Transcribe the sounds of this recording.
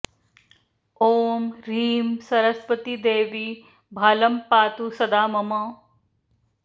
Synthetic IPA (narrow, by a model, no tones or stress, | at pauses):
oːmɾiːmsɐɾɐsʋɐt̪id̪eːʋi | bʱaːlɐmpaːt̪usɐd̪aːmɐmɐ